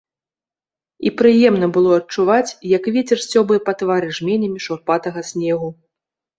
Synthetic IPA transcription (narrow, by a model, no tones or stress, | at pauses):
ḭpɾɨjɛmnɐbɨlˠɔɐt͡ʂuvat͡sʲjɐkvʲɛt͡sʲɛrsʲt͡sʲɔbɨjɛpat̪vaɾɨʐmʲɛnʲɐmʲiʂurpat̪ɐɣɐsʲnʲɛɣu